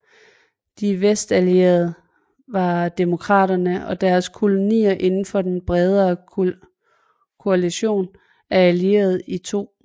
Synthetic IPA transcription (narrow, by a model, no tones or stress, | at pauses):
d̥iʋesd̥ælie̝̰ɐð̞̩ˠ | ʋɑ̈d̥e̝mo̝kʰʁɑ̰̈ːɾɐnəʔɒ̽d̥æɐskʰo̝lo̝nḭːɐʔe̝nn̩fɒ̽d̥enb̥ʁɛð̞ˠɐː | kʰo̝æliɕo̝̰ːn | æɐælie̝̰ːɐð̞̩ˠit͡sʰo̝̰ː